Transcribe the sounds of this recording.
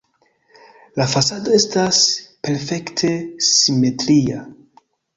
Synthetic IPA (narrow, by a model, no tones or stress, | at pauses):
lafasado̞e̞staspe̞ɾfe̞ktʰe̞sime̞tɾia